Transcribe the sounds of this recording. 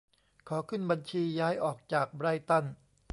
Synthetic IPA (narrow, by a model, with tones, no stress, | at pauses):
kʰɔː˩˦kʰɯ˥˩nba˧nt͡ɕʰiː˧jaː˦˥jʔɔː˨˩k̚t͡ɕaː˨˩k̚bɾa˧jt̪a˥˩n